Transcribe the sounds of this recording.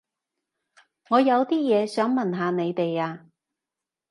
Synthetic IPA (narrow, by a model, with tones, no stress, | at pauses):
ŋɔː˨˧jɐ˨˧wt̪iː˥jɛː˨˧sœː˨˥ŋmɐ˨˩nɦaː˨˧ne˨˧jt̪e˨jaː˧